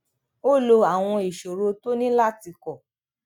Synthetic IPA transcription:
o˦lo˧a˨w̃ɔ̃˧i˨ʃo˨ɾo˧to˦nĩ˦la˦ti˧kɔ˨

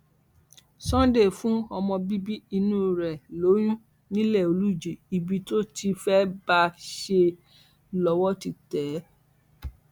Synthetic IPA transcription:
sɔ̃˦de˦˨fũ˦ɔ˧mɔ̃˧bi˦bi˦i˧nũ˦ɾɛ˨lo˨˦j̃ũ˦ | nĩ˦lɛ˦˨o˨lu˦˨d͡ʒi˨i˨bi˧to˦tʰi˧fɛ˦ba˧ʃe˧ | lɔ˧wɔ˦ti˦˨tɛ˨˦

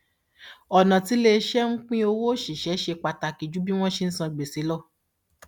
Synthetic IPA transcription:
ɔ˨nã˨ti˨˦le˧˦ʃɛ˦ŋ̩˦k͡pĩ˦o˧wo˦˨ʃi˨ʃɛ˨˦ʃe˧k͡pa˧ta˨ki˨d͡ʒu˨˦bi˦w̃ɔ̃˦ʃe˧n̩˦sã˧ɡ͡be˨si˨˦lɔ˦˨

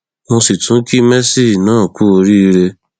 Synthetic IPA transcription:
mõ˧si˨tũ˨˦ki˦mɛ˦si˦˨nãː˦˨ku˦o˧ɾi˦˧ɾe˧

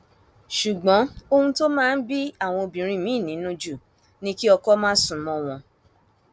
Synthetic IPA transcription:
ʃu˨ɡ͡bɔ̃˨˦o˧hũ˦to˦mãː˦˧n̩˦bi˦a˦˨w̃ɔ̃˧o˧bĩ˨ɾ̃ĩ˧˨mĩ˨˦˨nĩ˨˦nũ˦d͡ʒu˦˨ | nĩ˦ki˦ɔ˧kɔ˦mãː˦sũ˦˨mɔ̃˦w̃ɔ̃˧

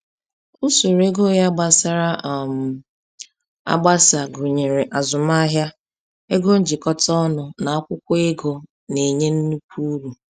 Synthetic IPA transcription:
u˦su˨ɾe˦ɡo˦ja˦ɡ͡ba˦sa˦ɾa˦˨m̩˨ | a̰˦ɡ͡ba˦sa˨ɡʊ˨ɲe˨ɾe˨ʔa˨zʊ˨ma˦ɦja˦ | e˦ɡo˦n̩˦d͡ʒɪ˨kɔ˦tɔ˦nʊ˨na˨a˦kʷʊ˦kʷʊ˦ɪ˦ɡo˨ | ne˨ɲe˦n̩˦nu˦kʰu˦u˦ɾu˨

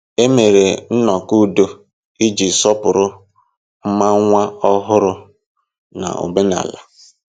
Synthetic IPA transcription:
e˦me˨ɾe˨n̩˦nɔ˨ku˦do˦ | i˦d͡ʒi˨sɔ˦pʊ˨ɾʊ˦ | m̩˦ma˦ŋʷa˦ɔ˦ɦʊ˦ɾʊ˦ | na̰˨o̰˨be˦na̰˨la̰˨

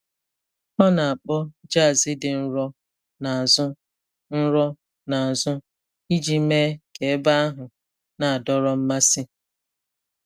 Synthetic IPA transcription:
ɔ˦na˨a˨k͡pɔ˦d͡ʒa˦˨zɪ˦dɪ˨n̩˦ɾɔ˦ | na˨a˨zʊ˦ | n̩˦ɾɔ˦ | na˨a˨zʊ˦ | i˦d͡ʒi˦me˦ke˨e˦ba˦a˦ɦʊ˨ | na˨a˨dɔ˦ɾɔ˦m̩˦ma˦sɪ˦

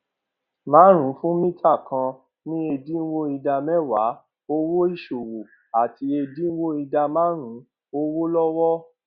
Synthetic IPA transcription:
mãː˨˦ɾ̃ũ˨˦fũ˦mĩ˦tʰa˦˨kã˧ | nĩ˦e˧di˦n̩˦wo˦i˧da˧mɛ˦wa̰˨˦ | o˦wo˦i˦˨ʃo˨wo˨ | a˨ti˧˦e˧di˦wo˦i˧da˧mã˦ɾ̃ũ˨˦ | o˦wo˦lɔ˦wɔ˦

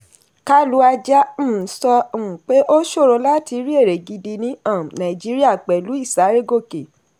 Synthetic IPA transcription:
ka˦lu˧˦a˧d͡ʒã˦˨sɔ̃˧˦˨k͡pe˦ʔo˦ʃo˦˨ɾo˧la˦ti˧˦ɾi˦e˦˨ɾe˨ɡi˧di˧nĩ˦ã˦˨nã˨i˨d͡ʒi˦ɾi˦a˦˨k͡pɛ˨lu˨˦i˦˨sa˨˦ɾe˦ɡo˦˨ke˨

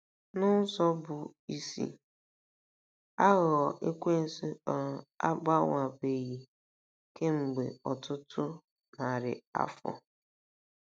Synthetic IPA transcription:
nʊ˦sɔ˦bʊ˨i˦sḭ˦ | a˦ɣɔ˨ʔe˦kʷe˦n̩˦si˦ɔ˨a̰˦ɡ͡ba˦ŋʷa˨be˨ɣi˨ | ke˦ŋ͡m̩˨ɡ͡be˨ɔ˨tʊ˦tʰʊ˦ | na˨ɾɪ̰˨a̰˦fɔ̰˨

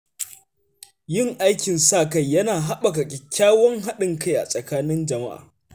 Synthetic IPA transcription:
jɪ˦ŋʔa˦jkʲɪ˨nsaː˦˨ka˦˨jːɐ˦naː˨ɦa˦ɓa˨ka˨kʲʼɪ˨kʲːaː˦wɔ˦ŋɦa˦ɗɪ˨ŋka˦˨jʔa̰˨sʼɐ˨kaː˦nɪ˦nd͡ʒɐ˨ma̰˦ʔa̰ː˨

